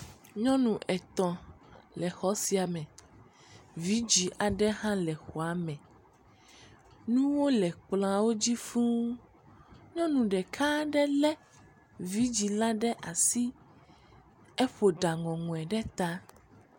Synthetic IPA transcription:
ɲɔ̃˦nũ˨ʔɛ˨t̪ɔ̃˨ | lɛ˨xɔ˦si˦a˨mɛ̃˨ | vi˦d͡ʑi˨ʔa˨ɖɛ˦ɦã˦lɛ˨xɔ˨a˨˦mɛ̃˨ | nũ˦wo˦lɛ˨k͡plã˨wo˦d͡ʑi˦fũ˦ | ɲɔ̃˦nũ˨ɖɛ˨kʰa˦ɖɛ˦lɛ˦ | vi˦d͡ʑi˨la˦ɖɛ˦ʔa˨si˦ | ɛ˦ɸo˨ɖa˨ŋɔ̃˨ŋũ˨ɛ˨ɖɛ˦t̪a˦

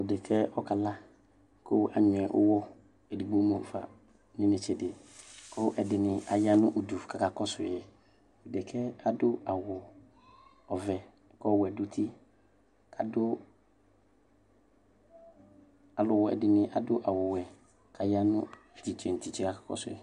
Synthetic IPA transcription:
ʊ˨dɛ˨kʰɛ˦ɔ˦ka˨la˦ | kʰo˦a˨ɲʊ̃˨ɛ˨ʔʊ̰˦wɔ˦ | ɛ˨di˨ɡ͡bo˦mõ˨ffa̰˨ | nɪ̃˦nɪ̃˨t͡ʃʰɛ˨dɪ˨kʰʊ˦ʔɛ˨dɪ˨nɪ̃˨a˨ja˦nʊ̃˦ʔo˨du˨fkʰa˨ka˨kɔ˦sʊ˨jɛ˨ | ʊ˨dɪ˨kʰɛ˦a˨dʊ˦a˨wɔ˨ | ɔ˨vɛ˨ | kɔ˦wɛ˨dʊ˦tʰi˦ | kʰa˨dʊ˦ | a˨lʊ˨wɔ˨ɛ̰˨dɪ˨nɪ̃˨ʔa˨dʊ˦ʔa˨wɔ˨wɛ˨ | kʰa˨ja˦nʊ̰̃˦˨ | ti˨t͡ʃʰɛ˨n̩˨tʰi˨t͡ʃɛ˦ka˨kʰḁ˨kɔ̰˦sʊ̰˨ɛ˨

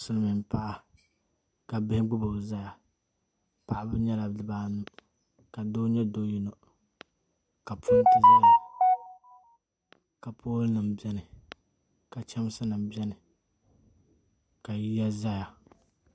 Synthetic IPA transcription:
sʊ˦lmɪ˨m˦pa˦ʔa˦ | ka˨bɪ˦hɪ˦ɡ͡bʊ˦bʊ˨bza˦ja˨ | pa˨ʔa˨bɨ˦ɲɛ˦la˨˦dɨ˨baː˦nu˦ | ka˨do˦ɲɛ˦doː˦ji˦no˦ | ka˨pʰu˦n˦tɨ˦za˦ja˦ | ka˨poː˦lnɨ˨m˨bɛ˦nɨ˨ | ka˨t͡ʃɛ˦m˦sɨ˦nɨ˨mbɛ˦nɨ˨ | ka˨ji˦ja˦za˦ja˨

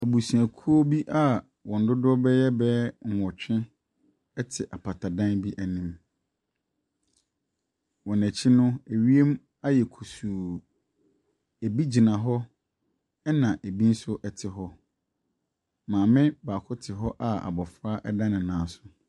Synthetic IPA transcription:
æ˨bu˨sũ˨æ˨kʰu˦o˦bi˦ʔa˦˨ | wɔ̃˨n̩˨dʊ˦dʊ˦ɔ˦bɛ˦jɛ˦bɛ˦ŋ̩˨hɔ˨t͡ɕᶣɪ̃˦ | ɛ˦tʰɪ˨ʔa˨pʰa˨tʰa˨dã˦nbi˦ʔæ˨nĩ˨m | wɔ̃˨næ˨t͡ɕʰi˦nʊ̃˦e˨ɥi˦e˦m | a˦jɛ˨kʰu˨suː˨ | e˨bi˦d͡ʑi˨nã˨ɦɔ˦ | ɛ˦nã˨ʔe˨bi˦n̩˦sʊ˦ʔɛ˨tʰɪ˨ɦɔ˦ | mãː˨mɪ̃˦baː˨kʰʊ˦tʰɪ˨ɦɔ˦ʔa˦a̰˨bɔ˨fɾa˦ʔɛ˦dã˦nɪ̃˨nãː˨˦sʊ̥˨

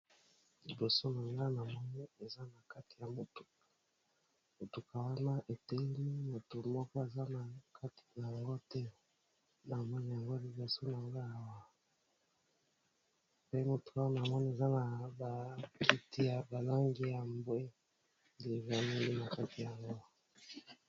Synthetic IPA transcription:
li˨bo˨so˦na˨ŋɡa˦na˨mɔ˦ni˦e˨za˦na˨ka˦ti˨ja˨mo˨to̥˨ | mo˨tu˨ka˨wa˦na˦ʔe˨te˦li˦mo˨to˨mɔ˦kɔ˦e˨za˦na˨kʰa˦ti̥˨ja˨ŋɡo˦tɛ˦ | na˨mɔ˦ni˦ja˨ŋɡo˦li˨bo˨so˦na˨ŋɡa˦a˨wa˨ | pe˦mo˨to˨wa˦na˨a˨mɔ˦n˦e˨za˦na˨ba˨kʰi˦ti˦ja˨ba˨la˦ŋɡi˦ja˨mbwe˦ | de˨va˦le˦li˦na˨ka˦ti˨ja˨ŋɡo˦

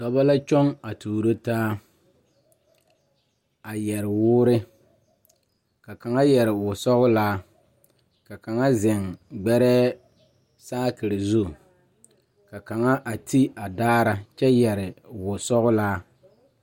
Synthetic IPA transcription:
tɔ˨ba˦la˦t͡ʃɔ˦ŋa˨tʰuː˨ɾo˦taː˦ | a˨jɛ˨ɾɪ˨wʊː˦ɾɪ˦ | ka˨ka˨ŋa˦jɛ˨ɾɪ˨wʊ˨sɔ˦ɣʊ˦laː˦ | ka˨ka˨ŋa˦zɪ˨ŋɡ͡bɛ˦ɾɛː˦ | saː˦kɪ˨ɾɪ˨zu˦˨ | ka˨ka˨ŋa˦ʔa˨ti˦a˨daː˦ɾa˦t͡ʃɛ˦jɛ˨ɾɪ˨wʊ˨sɔ˦ɣʊ˦laː˦

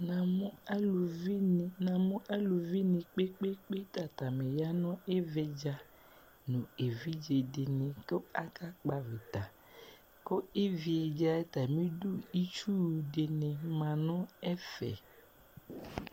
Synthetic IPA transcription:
nã˨mʊ˦a˦lu˨vi˦n˨nã˨mʊ̃˦ʔa˦lu˨vi˦nɪ̃˨k͡pe˦k͡pe˦k͡pe˦ta˨ta˨me˨ja˦nɔ̃˦ɪ˦vɛ˦d͡ʒa˦ | nũ˨e˨vi˦d͡ʒe˨dɪ˨nɪ̃˨kʊ˦a˦ka˦k͡pa˨vɪ˨ta˨ | ko˦ɪ˦vi˨e˨d͡ʒa˦ɛ˦ta˨mĩ˦du˦i˦t͡ʃu˦˨dɪ˨nɪ̃˨mã˨nʊ̃˦ɛ˦fɛ̰˨

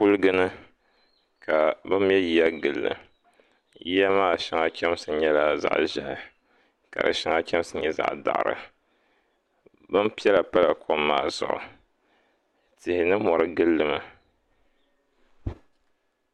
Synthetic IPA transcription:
pu˦lɨ˦ɡɨ˦nɨ˦ | kʰa˨bɨ˦m˦ɛ˦ji˦ja˦ɡɨ˨lːɨ̰˨ | ji˦ja˦maː˦˨ʃa˦ŋa˦kʲɛ˦m˦sɨ˨ɲɛ˦la˨za̰˨ʔʒɛ̰˨ʔɪ˨ | ka̰˨ɾɨ̰˨ʃa˦ŋa˦kʲɛ˦m˦sɨ˨ɲɛ˦za̰˦ʔda̰˨ʔɾɨ̰˨ | bɨ˦mpi˦ɛ˦la˨pa˦la˨kʰo˦mːaː˦˨zʊ̰˨ʔʊ̰˨ | tɪ˨hɪ˨nɨ˦mɔ˨ɾɨ˦ɡɨ˦lːɨ˦ma˨

